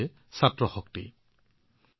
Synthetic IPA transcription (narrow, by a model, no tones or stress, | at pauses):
ɛ | satɹɔxɔk̚tḭ